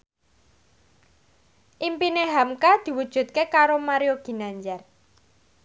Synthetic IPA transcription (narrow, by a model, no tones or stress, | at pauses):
ʔimpineɦamkad̪̥i̤wud̥ʒ̥ṳt̪̚kekaɾomaɾioɡ̥i̤naɲd͡ʒɛr